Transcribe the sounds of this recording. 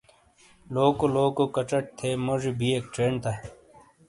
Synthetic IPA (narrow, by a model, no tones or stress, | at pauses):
loːkoloːkokɐt͡ɕɐʈ̚t̪ʰeːmoʐibʱieːk̚ʈɾeːnt̪ʰa